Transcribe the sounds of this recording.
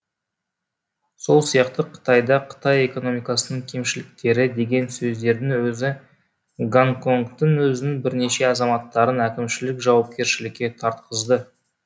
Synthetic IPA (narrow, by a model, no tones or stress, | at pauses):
so̞lˠsijɑqt̪əqʰə̥t̪ɑjd̪ɑqʰə̥t̪ɑje̞ko̞no̞mijkɑsənəɴkʲʰe̞mʃɪlɪk̚t̪e̞ɾɪd̪e̞ɡʲe̞nsɵzd̪e̞ɾd̪ɪŋwɵzɪ | ɡaŋko̞ŋkt̪ːɪŋwɵzɪnɪŋbɪɾne̞ʃe̞ɑzɑmɑt̪ːɑɾənækʲɪmʃɪlɪkʒɑwɑp̚kʲe̞ɾʃɪlɪkʲːe̞t̪ʰɑɾt̪qəzd̪ə